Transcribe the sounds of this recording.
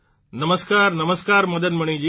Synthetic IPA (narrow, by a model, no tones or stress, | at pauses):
nɐməzkaːɾnɐməzkaːɾmɐd̪əd̪̚mɐɽ̃ĩd͡ʑiː